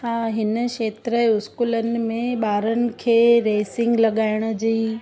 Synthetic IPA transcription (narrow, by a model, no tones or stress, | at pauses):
hãːɦɪnə̆ʃeːt̪ɾəʊskuːlənɪ̆mẽɓaːɾənɪ̆kʰeːɾeːsɪ̃ŋɡlɐɠaːɪɽ̃ə̆d͡ʑiː